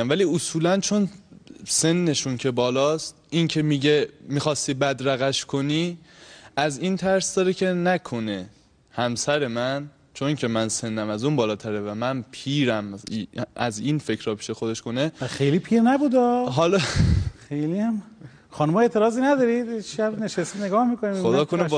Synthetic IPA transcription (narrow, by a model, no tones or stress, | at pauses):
mvæliːosuːlænt͡ʃʰo̞nse̞nːe̞ʃuncʰe̞bɒːlɒːst̪̚incʰe̞miːɟe̞miːxɒːst̪iːbæd̪ɾæɣæʃkʰo̞niː | æziːnt̪ʰæɾsd̪ɒːɾecʰe̞nækʰo̞ne̞ | hæmsæɾe̞mæn | t͡ʃʰonːcʰe̞mænse̞nːæmæzunbɒːlɒːt̪ʰæɾevæmænpʰiːɾæmʔæzinfe̞cʰɾɒːpʰi̥ːʃe̞xod̪e̞ʃko̞nexejlipʰiːɾnæbuːd̪ɒːɦɒːlɒxejliæm | χɒːnumɒːe̞ʔt̪ʰeɾɒːzinæd̪ɒːɾid̪et͡ʃʃæbneʃest̪ineɡɒːhmikoniod̪ɒːkʰoneb